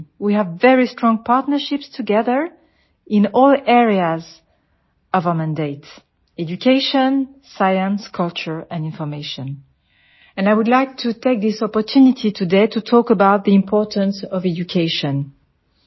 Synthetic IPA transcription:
wiævːɛɹistɹ̥ɔ̃ŋpʰaɹtnə˞ʃɪpstʰuɡɛðə˞ | ɪ̃nɔlɛɹiaz | ɔvamæ̃ndeɪt | ɛd͡ʒukʰeɪʃə̃nsajə̃nskʰʌlt͡ʃə˞ɛ̃nĩnfɔ˞meʃɔ̃n | ɛ̃najwudlaɪk̚tʰutʰeɪk̚ðɪsɔpɔ˞tʰunitʰitʰudetʰutʰɔkəbaʊt̪̚ðiɪ̃mpʰɔɹtə̃nsɔvɛd͡ʒukʰeɪʃɔ̃n

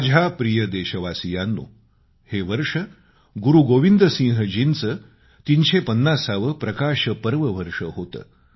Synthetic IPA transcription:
d͡ʑʱapɾijəd̪eɕəʋasijanːṵː | heʋəɾʂə | ɡuɾuɡoʋind̪əsĩŋɦəd͡ʑint͡sə | t̪iːnɕepənːasaʋəpɾɐkaɕəpəɾʋəʋəɾʂəɦot̪ə̰ː

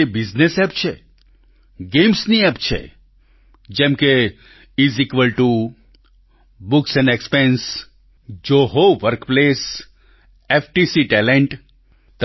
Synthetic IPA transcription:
ebiznesɛp̚t͡ʃʰe | ɡẽmsniɛpt͡ʃʰḛ | d͡ʒɛ̃mke | izikʋəlʈu | bʊksɛ̃nɖekspẽns | d͡ʒoɦoʋəɾkples | efʈisiʈɛlẽɳʈ | t̪

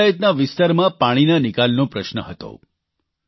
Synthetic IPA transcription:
ait̪naʋɪst̪aɾmãpaɽ̃inanɪkalnõpɾəʃnəɦət̪o̰

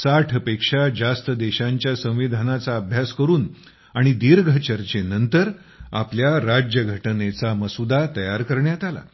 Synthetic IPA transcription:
saʈʰəpekʂad͡zast̪əd̪eɕãɲt͡ɕjasə̃w̃ʋid̪ʱanat͡saəbʱjaskəɾuːn | aɽ̃id̪iːɾɡʱət͡ɕəɾt͡ɕenənt̪əɾ | a̰pljaɾad͡ʑjəɡʱəʈnet͡saməsud̪at̪əjaɾkəɾɳjat̪ala̰

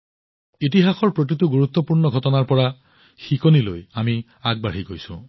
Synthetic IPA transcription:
it̬iɦaxɔɹpɹotituɡuɹut̪ːɔpuɹnɔɡʱɔtɔnaɹpɔɹa | xikonilojami | aɡ̚baɽ̤iɡojsṵ̃

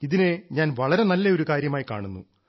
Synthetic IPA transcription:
iðinɨɲaːnʋɐɭɐɾe̞nɐlːɐo̞ɾukaːɾjɐmaːjka̰ːɳunːṵ

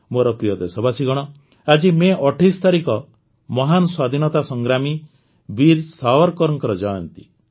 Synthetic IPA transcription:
moɾɔpɾijɔd̪esɔbʱasiɡɔɽ̃ɔ | ad͡ʒimeʔɔʈʰist̪ʰaɾikɔ | mɔɦanɔswad̪ʱinɔt̪asɔŋɡɾami | biɾsawɔɾkɔɾɔŋkɔɾɔd͡ʒɔjɔnt̪i̥

